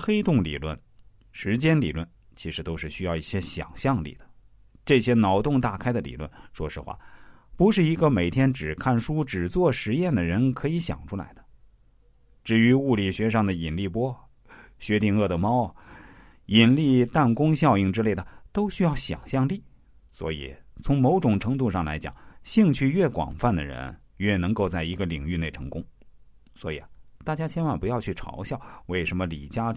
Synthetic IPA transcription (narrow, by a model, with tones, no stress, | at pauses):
xe˥ɪt̪ʊ˥˩ŋlḭ˨˩lwə̰˥˩n | ʂɻ̩˧˥t͡ɕjɛ˥nlḭ˨˩lwə̰˥˩n | t͡ɕʰi˧˥ʂɻ̩˧˥t̪o˥ʊʂɻ̩˥˩ɕy˥jɑ˥˧ʊi˥˩ɕjɛ˥ɕjɑ̰˨˩ŋɕjɑ˥˧ŋlḭ˥˩d̪ə˩ | ʈ͡ʂɤ˥˩ɕjɛ˥nɑ˧˥ʊt̪ʊ˥˧ŋt̪a˥˩kʰa˥ɪd̪ə˨lḭ˨˩lwə̰˥˩nʂwɔ̰˥ʂɻ̩˥˧xwa̰˥˩pu˧˥ʂɻ̩˥˩i˧˥ɡə˧me˨˩ɪt̪ʰjɛ˥nʈ͡ʂɻ̩˨˩kʰa˥˩nʂu˥ʈ͡ʂɻ̩˨˩t͡swɔ˥˩ʂɻ̩˧˥jɛ˥˩nd̪ə˩ɻə˧˥nkʰɤ˧˥i˧˥ɕjɑ̰˨˩ŋʈ͡ʂʰu˥la̰˧˥ɪd̪̥ə̥˧ | ʈ͡ʂɻ̩˥˩y˧˥u˥˩li˨˩ɕɥɛ˧˥ʂ̬ɑ˥˩ŋd̪ə˩i˨˩nli˥˩pwɔ˥ | ɕɥɛ˧˥t̪i˥˧ŋɤ˥˩d̪ə˩mɑ˥ʊ | i˨˩nli˥˧t̪a˥˩nkʊ˥ŋɕjɑ˥˧ʊi˥˩ŋʈ͡ʂɻ̩˥le˥˩ɪə˩t̪o˥ʊɕy˥jɑ˥˩ʊɕjɑ̰˨˩ŋɕjɑ˥˧ŋli˥˩ | swɔ̰˧˥ḭ˨˩t͡sʰʊ˧˥ŋmo˧˥ʊʈ͡ʂʊ˨˩ŋʈ͡ʂʰɤ˧˥ŋt̪u˥˧ʂɑ˥˩ŋla̰˧˥ɪt͡ɕjɑ̰˨˩ŋɕi˥˧ŋt͡ɕʰy˥˧ɥɛ˥˩kwɑ̰˨˩ŋfa˥˩nd̪ə̰˩ɻə̰˧˥n | ɥɛ˥˩nɤ˧˥ŋko˥˧ʊt͡sa˥˩ɪi˧˥ɡə˧li˨˩ŋy˥˧ne˥˩ɪʈ͡ʂʰɤ˧˥ŋkʊ˥ŋ | swɔ˧˥i˨˩ət̪a˥˩t͡ɕja˥t͡ɕʰjɛ˥nwa˥˩npu˧˥jɑ˥˧ʊt͡ɕʰy˥˩ʈ͡ʂʰɑ̰˧˥ʊɕjɑ˥˩ʊwe˥˩ɪʂə˧˥nmə˧lḭ˨˩t͡ɕja˥